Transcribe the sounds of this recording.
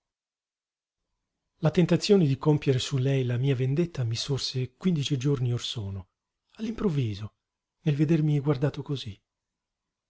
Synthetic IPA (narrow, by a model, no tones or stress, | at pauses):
lat̪ent̪at̪sːjoːned̪ikompjeɾesulɛjlamiːavend̪et̪ːamisorsekwind̪it͡ʃid͡ʒorniorsɔːno | alːimpɾovːiːzo | nelved̪ermiɡward̪aːt̪okozi